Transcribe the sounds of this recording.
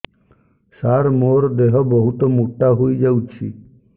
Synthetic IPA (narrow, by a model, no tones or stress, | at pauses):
saɾmoɾd̪eɦɔbɔɦut̪ɔmuʈːaɦujd͡ʒawt͡ʃʰḭ